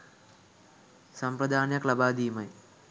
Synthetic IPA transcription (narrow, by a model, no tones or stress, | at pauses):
sɐmpɾɐd̪ʱaːnjɐklɐbaːd̪iːmɐj